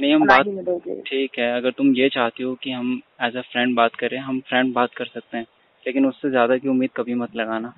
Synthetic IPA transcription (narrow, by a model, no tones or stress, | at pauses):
nɐɦĩɦɐmbaːt̪ːʈʰiːkɦɛːɐɡəɾt̪ʊmjet͡ʃaːɦt̪eɦokiɦɐmɛːsafɾɛ̃ːɳɖbaːt̪kɐɾẽɦɐmfɾɛ̃ɳɖ̚baːt̪̚kɐɾsɐk̚t̪eɦɛ̃ː | leːkɪnʊsːezjaːd̪akiʊmːiːd̪̚kɐbʱimɐt̪lɐɡaːnaː